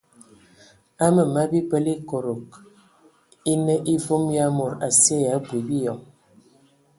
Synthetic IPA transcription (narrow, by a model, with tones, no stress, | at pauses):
a˦mə˨ma˦bi˦pə˦li˦ko˨ɾo˨k̚ | i˦nə˦ʔi˦vo˦mja˦mo˨ɾa˨se˦ja˨˦ɡwi˨bi˦jɔ˨ŋ